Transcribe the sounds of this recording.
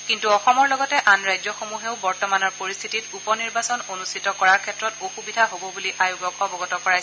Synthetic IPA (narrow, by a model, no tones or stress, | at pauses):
kintuɔxɔmɔɹlɔɡɔtɛʔanɹajzɔxomuɦeʊbɔɹtɔmanɔɹpoɹist̪ʰititupɔniɹbasɔnonustʰitɔkɔɹaɹkʰɛtɹɔtoxubidʱaɦobɔbuliʔajuɡɔkɔbɔɡɔtɔkɔɹaj